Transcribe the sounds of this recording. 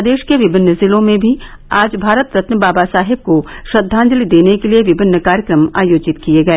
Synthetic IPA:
d̪eːʃkeʋɪbʱɪnːəzɪlõmẽbʱi | aːd͡ʒbʱaːɾət̪̚pɾɐt̪nəbaːbasaːɦɪb̚koʃɐd̪ʱːãːnd͡ʒəlid̪eːnekelieʋɪbʱɪnːəkaːɾjəkɾəma̰ːjoːd͡ʒɪt̪kijeɡɐeː

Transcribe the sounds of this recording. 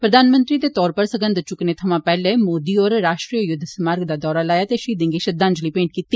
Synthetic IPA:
pɾəd̪aːnmənt̪ɾiːd̪eːt̪ɔːɾpəɾsəɡənd̪ɾt͡ʃʊkneːt̪ʰəmãːpɛːleːmoːd̪iːɔːɾɾaːʃʈɾiːəjʊd̪ʱsmaːɾɡd̪aːd̪ɔːɾaːlaːjaːt̪eːʃiːd̪ɪ̃ŋɡiːʃəd̪ãːɲd͡ʒliːpẽːɳʈ̚kiːt̪ːiː

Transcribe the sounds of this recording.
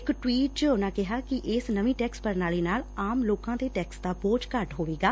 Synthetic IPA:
ɪkʈwiːʈ̚t͡ʃəʊnãːkɪɦaːkɪʔɪsnəʋĩːʈɛːkspəɾnaːleːnaːlaːmloːkãːd̪eːʈɛːksd̪aːboːd͡ʒkəɾʈɦoːʋeːɡaː

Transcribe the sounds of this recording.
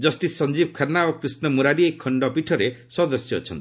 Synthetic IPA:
d͡ʒɔsʈissɔnd͡ʒibɔkʰaɾnaɔkɾisnɔmuɾaɾiekʰːɔɳɖɔpiʈʰɔɾesɔd̪ɔsjɔ̰t͡ʃʰɔnt̪i

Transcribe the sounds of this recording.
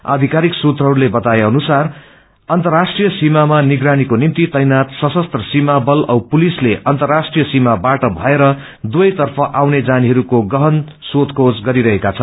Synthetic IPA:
a̰d̪ʱikaɾiksut̪rʌɦʌɾulebʌt̪ajeʌnusar | ʌnt̪ʌrːasʈrijʌsimamaniɡɾanikonimt̪it̪ʌjnat̪sʌsʌst̪rʌsimabʌlʌwpulisleʔʌnt̪ʌrːasʈrijʌsimabaʈʌbʱʌeɾʌ | d̪uʌjt̪ʌrpʰʌʔawned͡zaniɦʌɾukoɡʌɦʌn | sot̪kʰod͡zɡʌɾiɾʌɦekat͡sʰʌn

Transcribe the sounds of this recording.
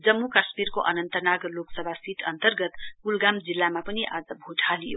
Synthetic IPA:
d͡zʌmːukasmirkoʔʌnʌnt̪ʌnaɡloksʌbʱasiʈʰʌnt̪ʌrɡʌt̪ɡulɡamd͡zilːamapʌniʔad͡zʌbʱuʈʰalijo̰

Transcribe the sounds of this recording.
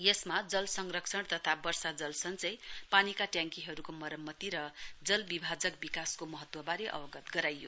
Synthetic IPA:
jesmad͡zʌlsʌŋrʌksʰʌɽt̪ʌt̪ʰabʌrsad͡zʌlsʌŋnt͡sʌj̃panikaʈjãŋkiɦʌɾukomʌɾʌmːʌt̪iɾʌd͡zʌlbibʱad͡zʌkbikaskomʌɦʌt̪wʌbaɾeʔʌ̰bʌɡʌt̪ɡʌɾajːo

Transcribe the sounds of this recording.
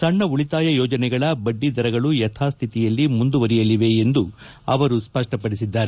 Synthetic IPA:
sɐɳːɐuɭit̪aːjɐjɔːd͡ʒɐnɛɡɐɭɐbɐɖːid̪ɐɾɐɡɐɭujɐt̪ʰaːst̪ʰit̪ijɐlːimund̪uʋɐɾijɐliʋe̞end̪u | ɐʋɐɾuspɐʂʈɐpɐɽisid̪ːaːɾe

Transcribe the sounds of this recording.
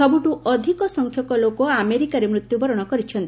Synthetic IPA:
ɔbuʈuɔd̪ʱikɔsɔŋkʰjɔkɔlokɔameɾikaɾemɾut̪jubɔɾɔɽ̃ɔkɔɾit͡ʃʰɔnt̪i

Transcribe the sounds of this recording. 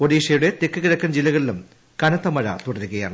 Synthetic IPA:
poɽiːʂɐjuɽe̞t̪ekːɨɣiɾɐkːɐmd͡ʑilːɐɣɐɭilum | kɐnɐt̪ːɐmɐɻɐ̰t̪uɽɐɾuɣɐja̰ːɳɨ

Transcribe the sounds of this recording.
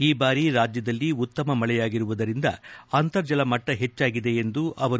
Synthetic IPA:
iːbaːɾiɾaːd͡ʒjɐd̪ɐlːiut̪ːɐmɐmɐɭɛjaːɡiɾuʋud̪ɐɾind̪ɐ̰ɐnt̪ɐɾd͡ʒɐlɐmɐʈːɐɦe̞t͡ʃːaːɡid̪e̞end̪uʔɐʋɐɾ

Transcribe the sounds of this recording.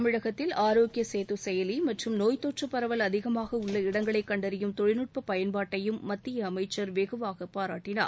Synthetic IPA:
ɐmɪɻɐɣɐt̪ːɪlaːɾoːɡɪjɐseːt̪ɯsɛjɐlimɐʈrɯmnoːjt̪oːʈrɐpːɐɾɐʋɐlɐðɪɣɐmaːɣɐʊɭːɐɪɽɐŋɡɐɭɐɪkːɐɳɖɐɾɪjɯmt̪ɔɻɪnɯʈ̚pɐpɐjɐnbaːʈːɐjɯmːɐt̪ːɪjɐːmɐɪt͡ʃːɐɾʋeːɣɯʋaːɣɐpaːɾaːʈːɪna̰ː

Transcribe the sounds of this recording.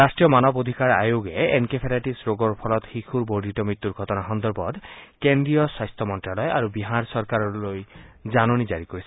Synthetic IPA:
astɹijɔmanɔbod̪ʱikaɹa̰joɡeenkepʰeɾaʈisɹoɡɔɹpʰɔlɔt̪xixʰuɹboɹd̪ʱitɔmɹit̪ːuɹɡʱɔtɔnaxɔnd̪ɔɹbɔd̪kendɹijɔswajst̪ʰɔmɔntɹalɔja̰ɹubiɦaɹsɔɹkaɹɔlojzanonizaɹikoɹisɛ

